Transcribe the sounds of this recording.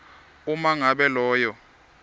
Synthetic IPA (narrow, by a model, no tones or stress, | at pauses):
umaŋaɓɛlɔːjɔ